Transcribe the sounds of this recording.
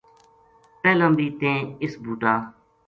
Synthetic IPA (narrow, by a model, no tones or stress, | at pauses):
peːlə̃mɾiːt̪ẽːɪsbʱuːʈaː